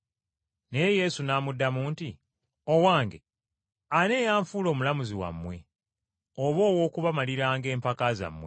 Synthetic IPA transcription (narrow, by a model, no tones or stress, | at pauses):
ne̞jeje̞ːsunaːmudːamuːnti | owaːŋɡḛ | ane̞ːjaːɱfuːlo̞ːmulamuziwa̰mːwe̞ | oβo̞ːwo̞ːkuβamaliɾaːŋɡe̞ːmpakaza̰mːwe